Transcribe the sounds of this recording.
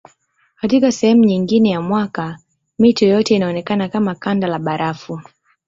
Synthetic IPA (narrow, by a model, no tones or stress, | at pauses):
katikasɛhɛmuɲiŋɡinɛjamwaka | mitɔɔjɔtɛinaɔnɛkanakamakandalaɓaɾafu